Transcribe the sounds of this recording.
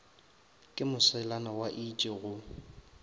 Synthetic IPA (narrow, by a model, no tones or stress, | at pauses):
kʼɪmʊsɛlanawaʔit͡ʃʼɪɣʊ